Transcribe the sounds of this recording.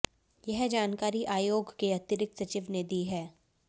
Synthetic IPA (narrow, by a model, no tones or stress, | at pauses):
jɛɦd͡ʒaːnkaːɾiʔaːjoːɡkeɐt̪ɪɾɪk̚t̪sɐt͡ʃɪʋned̪iːɦɛː